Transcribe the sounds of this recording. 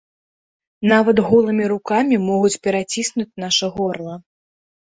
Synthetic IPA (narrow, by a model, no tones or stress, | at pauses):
navɐd̪ɣɔlˠɨmʲiɾukamʲimɔɣut͡sʲpʲɛɾat͡sʲisnut͡sʲnaʂɐɣɔrlˠɐ